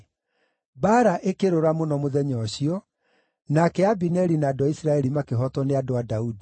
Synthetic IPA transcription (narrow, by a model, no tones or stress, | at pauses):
baːɾaʔekeɾoɾamonɔmoðɛɲɔɕiɔ | nakɛabinɛɾinaːdoaisɾaɛɾimakeɦɔtɔneadoadaudi